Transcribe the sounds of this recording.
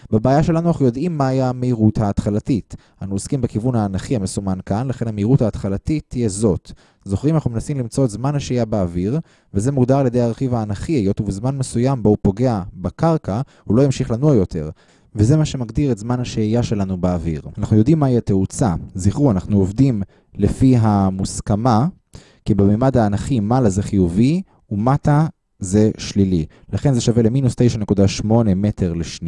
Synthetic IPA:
bebaːjaʃe̞lanuanaχujo̞dʔimːaajaameiʁuthaːt̪χalatit | anuoskimbekivunhaːnaχiamesumankanlaχe̞nhameiʁuthaːt̪χalatit̪ːijezo̞t̪ | zo̞χʁimanaχnumnasimlimt͡so̞etzmanhaʃejabeaviʁ | veze̞muɡd̪aʁalje̞de̞jaʁeχivaːnaχiejot̪uvezmanmesujambo̞upo̞ɡe̞abekaʁka | hulo̞jimʃiχlanuajo̞t̪ʰe̞̰ʁ | veze̞maʃe̞maɡd̪iʁetzmanhaʃeijaʃe̞lanubeːvḭʁanaχnujo̞d̪imːaiateut͡saziχʁuanaχnuovd̪im | le̞fiɦamuskama | kibemiːmad̪haːnaχimalazeχijuvi | umata | ze̞ʃlili | laχe̞nzeʃave̞le̞minust̪e̞jʃane̞kud̪aʃmo̞ne̞me̞tʰe̞ʁleʃni

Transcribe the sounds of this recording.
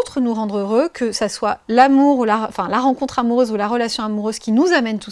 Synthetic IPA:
t̪χənuʁɑ̃d̪ʁøʁøkʰəsaswalamuʁulaɑ̰̃fɛ̃laʁɑ̃kɔ̃t̪χamuʁøzulaʁəlasjɔ̃amuʁøz̥kʲinuzamɛnt̪u

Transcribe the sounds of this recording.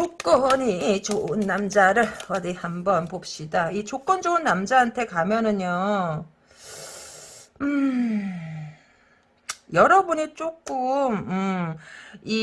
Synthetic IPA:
t͡ɕok͈ʌɲit͡ɕoɯnːamd͡ʑaɾɯɭʌdihambʌnpop̚ɕ͈idait͡ɕok͈ʌnd͡ʑoɯnːamd͡ʑaɦantʰe̞kamjʌnɯɲo | ɯ | jʌɾʌbuɲit͡ɕ͈ok͈ɯmɯ | i

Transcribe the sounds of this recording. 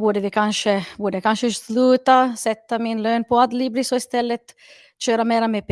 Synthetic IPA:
buːɖəvɪkʰanʂəbuːɖəkʰanʂəslʉːt̪asɛt̪ːamɪnløːnpʰɔad̪liblɪsɔɪst̪ɛlːət̪ | ɕøːɾamɛːɾamep

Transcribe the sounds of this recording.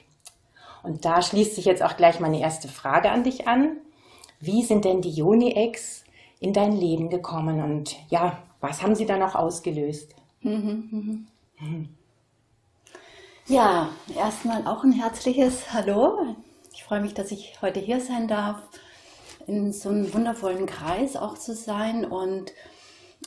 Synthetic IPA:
ʔʊnt̚d̥aːʃliːstz̥ɪçjɛt͡staʊxɡ̥laɪçmaɪnəʔeːɐstəfʁ̥aːɡəa̰ndɪçʔan | viːzɪnt̚d̥ɛndiːjoːniʔɛks | ʔɪndaɪnleːbm̩ɡəkʰɔmənʊntjaːvashaːbm̩ziːdanɔχʔa̰ʊsɡ̥əløːst̩ː | ɦ̩ɦm̩ | jaːʔeːɐstmaːlʔa̰ʊxnɦɛɐt͡slɪçəshaloː | ɪçfʁ̥ɔʏəmɪçd̥asɪçhɔʏtəɦiːɐzaɪndaɐf | ɪnzoːnəmvʊndɐfɔlənkʁ̥aɪsa̰ʊxt͡suzaɪnʊnt

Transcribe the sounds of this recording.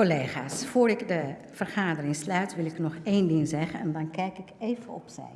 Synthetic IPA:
koleːxaːsfoːrɪkdə | v̥ərχaːdərɪŋslœɥtʋɪlɪknɔxeːndɪŋzɛɣənɛ̰ndɑnkɛjkɪkeːvəɔ̰psɛ̰j

